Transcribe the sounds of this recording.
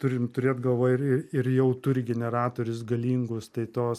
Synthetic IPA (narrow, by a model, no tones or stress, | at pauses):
t̪ʊɾʲɪmt̪ʊɾʲeːt̪ɡɐlˠʋoːjɪɾɪɪrjɛʊt̪ʊɾʲɪɡʲɛnʲɛɾɑːt̪oːɾʲʊs̬ɡɐlʲiːŋɡʊst̪ɐɪt̪oːs